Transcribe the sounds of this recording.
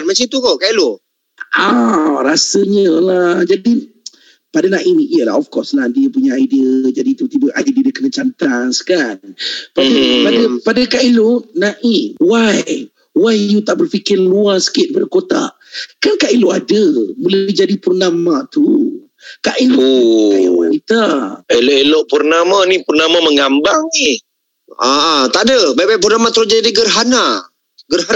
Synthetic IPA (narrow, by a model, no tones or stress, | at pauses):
nmət͡ʃint̪ukokaʔilo | aɾasəɲəlahd͡ʒadi | padanãʔiniʔiəla̰ɦɔfkɔsladiəpuɲaːidiəd͡ʒadit̪ut̪ibəʔa̰dədiədəkənət͡ʃant̪askanpadipadəpadəkaʔilonaʔiwaj | wajjut̪aʔbərfikɪrluasə̥kɪt̪̚bədəkot̪a̰ʔ | kankaʔiloʔadəmuld͡ʒadipərnamat̪u | kaʔiloʔajṵwanit̪aeloʔeloʔpərnamanipərnamaməŋambaŋnih | at̪aʔdəbajbajp̬urnamat̪əɾod͡ʒadiɡərɦana | ɡəra